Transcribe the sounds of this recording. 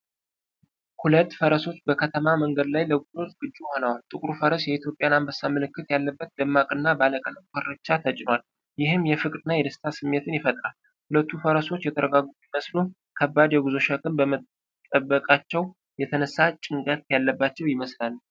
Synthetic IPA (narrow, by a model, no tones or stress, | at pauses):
hulət̪ːfəɾəso̞t͡ʃːbəkʰət̪ʰəmaməŋɡəd̪lajləɡuzo̞t̪ʼɡ̥ɨd͡ʒːuho̞nəwalt̪ʼɨkʼɾufəɾəsjɛit̪jo̞pʼjanambəsːamɨlɨkːɨt̪jalːəbːət̪̚d̪əmːakʼɨnːabaləkʼənəkʰʼəɾət͡ʃːat̪ʰət͡ʃʼɪnwal | jɪɦɨmjɛfɨkʼd̪ɨnːajɛd̪əst̪ʰasɨmːe̞t̪ʰɨnjɪfət̪ʼɾal | hulət̪ʰːufəɾəso̞t͡ʃːjɛt̪ʰəɾəɡaɡujiməslu | kʰəbːad̪jɛɡuzo̞ʃakʼɨmbəmət̪ | t̪ʼːəbːəkʼat͡ʃːɛw | jɛt̪ʰənəsːat͡ʃʼɪŋkʼət̪̚jalːəbːat͡ʃːɛwjɪməslalː